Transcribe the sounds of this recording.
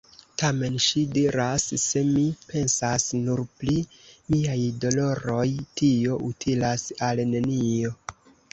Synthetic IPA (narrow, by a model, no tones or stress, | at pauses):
tame̞nʃidiɾasːe̞mipe̞nsasnuɾplimiajdo̞lo̞ɾo̞jtʰio̞ʔutʰilasalne̞nio̞